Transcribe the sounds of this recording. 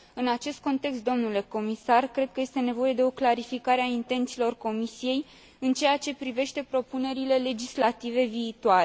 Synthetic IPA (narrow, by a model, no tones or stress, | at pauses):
ɨnat͡ʃe̞st̪̚ko̞nt̪e̞kst̪̚d̪o̞mnule̞ko̞misarkɾe̞d̪̚kəje̞st̪e̞ne̞vo̞je̞d̪e̞o̞klaɾifikaɾeaint̪e̞nt̪silo̞rko̞misije̞j | ɨnt͡ʃe̞jat͡ʃe̞pɾive̞ʃt̪e̞pɾo̞pune̞ɾile̞le̞d͡ʒislat̪ive̞viːt̪uaɾe